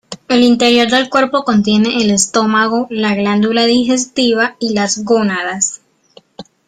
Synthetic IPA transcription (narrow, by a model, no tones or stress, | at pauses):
e̞lint̪e̞ɾjo̞ɾðe̞lkwe̞ɾpo̞ko̞nt̪je̞ne̞ʔːle̞st̪o̞maɣo̞laɣland̪ulaðixe̞s̬t̪iβailazɡonaðas